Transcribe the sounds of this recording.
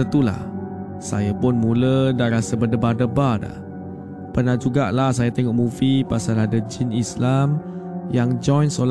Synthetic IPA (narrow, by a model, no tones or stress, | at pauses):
ət̪ula̰h | sa̰jəpʊnmulədaɾasəbədəbadəbada̰ | pərnahd͡ʒuɡaʔlahsajat̪eŋɔʔmufipasalahdəd͡ʒinislamjaŋd͡ʒɔjnsol